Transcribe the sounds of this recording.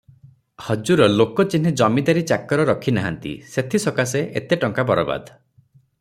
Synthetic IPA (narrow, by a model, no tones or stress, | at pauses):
hɔd͡ʒuɾɔlokɔt͡ʃin̤id͡ʒɔmid̪aɾit͡ʃakɔɾɔɾɔkʰinaɦa̰nt̪ḭset̪ʰisɔkaseʔḛt̪eʈɔŋkabɔɾɔba̰d̪